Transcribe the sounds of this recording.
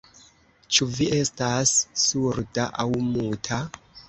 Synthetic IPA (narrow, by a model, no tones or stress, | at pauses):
t͡ʃuviʔe̞stasːuɾdaʔawmutʰa